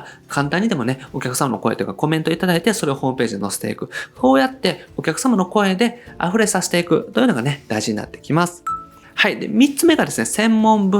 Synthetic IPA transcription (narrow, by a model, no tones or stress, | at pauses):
kʰãnt̪ãɲ̟ːid̪e̞mo̞ne̞o̞kʲakɯ̟samano̞ko̞e̞t̪oji̟kako̞mẽ̞t̪o̞it̪ad̪ait̪e̞so̞ɾe̞o̞ho̞ːmɯ̟pe̞ːʑid̪no̞se̥t̪e̞̰ikɯ̟so̞ːjat̪ːe̞okʲakɯ̟̥samano̞ko̞e̞d̪e̞a̰ɸɯ̟ɾe̞saɕi̥t̪e̞ikɯ̟t̪o̞jɯ̟noɡaned̪̥aiʑiɲ̟ina̰t̪ːe̞̥kʲimasɨ̥ | haid̪e̞̰mʲit͡sɨme̞ɡad̪e̞sɨne̞sẽ̞mːõ̞mbɯ